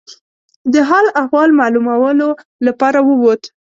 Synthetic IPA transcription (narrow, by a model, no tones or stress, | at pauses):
d̪əɦɑlahwɑlmɑlumawəlolapɑɾawəwot̪